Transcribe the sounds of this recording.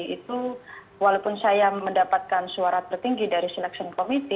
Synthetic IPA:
it̪u | walawpʊnsajaməndapat̪̚kansuaɾat̪ərt̪iŋɡidaɾisɛlɛksiɔnkomit̪i

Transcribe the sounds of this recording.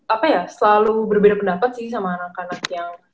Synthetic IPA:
apajasəlalubərbedapəndapat̪̚sɪhs̬amaːnakanakjaŋ

